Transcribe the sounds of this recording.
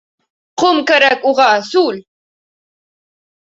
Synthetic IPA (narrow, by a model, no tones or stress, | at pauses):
qomkaɾakoʁɑːsul